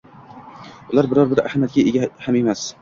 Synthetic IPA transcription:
ʊlˠaɾbɪɾɒɾbɪɾahmjat̪̚ɡʲaeɡʲahame̞mas

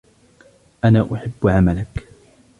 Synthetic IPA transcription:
ʔanaːʔʊħabːʕamalak

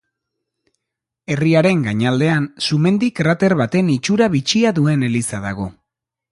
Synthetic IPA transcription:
e̞riaɾe̞ŋɡaɲald̪e̞ansume̞nd̪ikrat̪e̞ɾβat̪e̞nit͡ʃuɾaβit͡ʃiaðue̞ne̞lisaða̰ɣ̞o̞

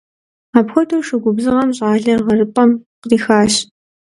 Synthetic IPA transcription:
aːpxʷɔtʰowʂɨɡʷʊbzɨʁɐmɕʼaːɮɐrʁɐrɨpʼɐmqriːxaːɕ

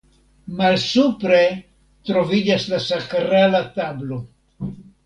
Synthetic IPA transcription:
malsupɾe̞ | t̪ɾo̞vid͡ʒaslasakɾalat̪ablo̞

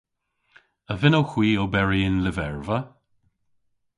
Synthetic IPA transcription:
əvɪnowxw̥iːobɛɹiɪnlɪvɛɹvə

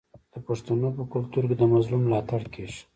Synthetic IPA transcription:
d̪̥əpaʂt̪anopəkʊlt̪uɾked̪əmazlumːlɑt̪aɽkeʃ

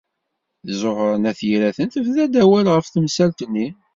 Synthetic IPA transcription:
θzoʁɾənæθjiɾæθənt̪əfðæd̪æwælʁəfθəmsælt̪ənːi

